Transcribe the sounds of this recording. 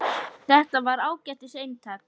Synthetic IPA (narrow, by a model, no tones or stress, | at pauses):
θɛht̪avaɾaːwcɛht̪ɪsejmt̪ʰak